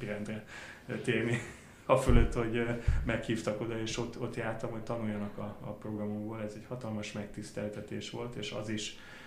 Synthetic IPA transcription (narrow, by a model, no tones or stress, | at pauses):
iɾɛnd̪rɛt̪eːrni | ɒføløt̪ːho̞ɟmɛkhiːft̪ɒko̞d̪ɒeːʃo̞t̪o̞t̪jaːrt̪ɒmho̞c̚ʲt̪ɒnujːɒnɒkɒːpro̞ɡrɒmoɡboːlɛzɛɟhɒt̪ɒlmɒʃmɛk̚t̪ist̪ɛlt̪ɛt̪ḛːʃʋo̞lt̪eːʃɒ̰ziʃ